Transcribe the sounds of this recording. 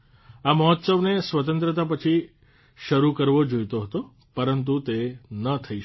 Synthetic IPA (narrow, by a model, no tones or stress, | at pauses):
aməɦɔt̪səʋnesʋət̪ə̃nt̪ɾət̪̬apət͡ʃʰi | ʃəɾukəɾʋod͡ʒojt̪oɦət̪o | pəɾənt̪̬ut̪enət̪ʰəi